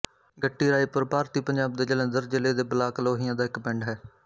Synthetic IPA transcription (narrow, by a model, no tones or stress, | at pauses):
ɡəʈːiːɾaːiːpʊɾpaːɾt̪iːpəɲd͡ʒaːbd̪eːd͡ʒələ̃ːnd̪əɾd͡ʒɪleːd̪eːbəlaːkloːɦijãːd̪aːɪkpɪɳɖɦɛː